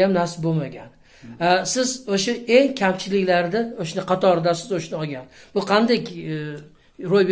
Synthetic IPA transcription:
amnaɾsɪbomaɡʲan | asɪzoʃae̞ŋkʲʰamt͡ʃʰɪlɪkʲlaɾd̪aoʃnɪqʰɑt̪ʰɒɾd̪asɪzoʃnɪɒɡʲanb̥ʊqʰɑnd̪akʲ | ɾojb

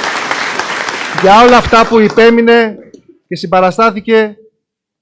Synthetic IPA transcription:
ʝɐo̞lɐːft̪ɐpuipe̞mine̞ | ce̞simbɐɾɐst̪ɐθice̞

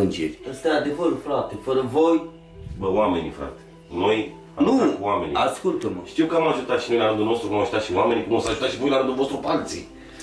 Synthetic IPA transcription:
ɐnd͡ʒeɾəst̪ɾat̪efoɾfɾat̪efəɾɐvoj | bəwamenʲḭfɾa̰t̪e̥ | noj | anukwamenʲiaskult̪ɐmɐʃt̪iwkamaʒut̪aʃinojlaɾɨ̃nd̪unost̪ɾukumaʒut̪aʃiwamenʲikumosaʒut̪aʃivojlaɾɨ̃nd̪uvost̪ɾupalt͡sḭ

